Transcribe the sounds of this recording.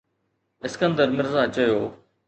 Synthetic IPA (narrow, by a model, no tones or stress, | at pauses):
ɪskə̃nd̪əɾmɪɾzaːt͡ɕəjoː